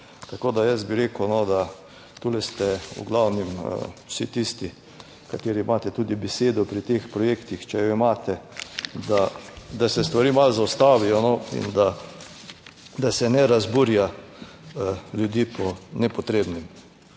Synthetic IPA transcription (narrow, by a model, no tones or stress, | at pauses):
t̪akoːd̪ajɛs̬biɾeːkəwnɔd̪a | t̪ulɛst̪ɛṵɡlawnim̰wsit̪ist̪i | kat̪eːɾiːmaːt̪ɛt̪uːd̪ibɛseːd̪ɔpɾit̪eːxpɾɔjeːkt̪ixt͡ʃɛjɔimaːt̪ɛd̪ad̪asɛst̪ʋaɾiːmalzaʊst̪aːʋijɔnɔḭnd̪a | d̪asɛnɛɾazbuːɾja | ljud̪iːpɔnɛpɔt̪ɾeːbnim